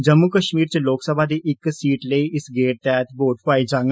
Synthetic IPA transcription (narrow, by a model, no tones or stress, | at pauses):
d͡ʒəmːukəʃmiːɾt͡ʃeloːksəbʱad̪iːʔɪksiːʈləiʔɪsɡeːʈ̚t̪ɛːt̪boːʈʰpaːid͡ʒãːŋ